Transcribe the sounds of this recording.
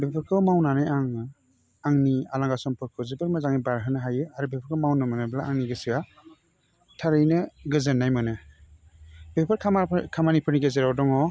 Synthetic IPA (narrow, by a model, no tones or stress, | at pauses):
bepʰɯɾkʰɯmawnanajaŋ | aŋnialaŋɡasɔmpʰɯɾkʰɯzibɯɾmazaŋibaɾɦɯnɯɦajɯaɾubepʰɯɾkʰɯmawnɯmanɯblaʔaŋniɡɯsɯa | tʰaɾɯjnɯɡɯzɯnːajmɯnɯ | bepʰɯɾkʰakʰamanipʰɯɾniɡezeɾawdɔŋɔ